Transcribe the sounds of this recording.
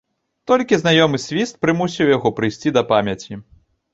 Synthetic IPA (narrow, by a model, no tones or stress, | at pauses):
t̪ɔlʲkʲiznajɔmɨsʲvʲist̪̚pɾɨmusʲiwjaɣɔpɾɨjsʲt͡sʲid̪ɐpamʲjɐt͡sʲi